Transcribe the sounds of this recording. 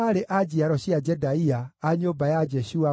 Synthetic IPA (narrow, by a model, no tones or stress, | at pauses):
aɾeʔad͡ʒiaɾɔʃiad͡ʒɛdaiaːɲobajad͡ʒɛʃua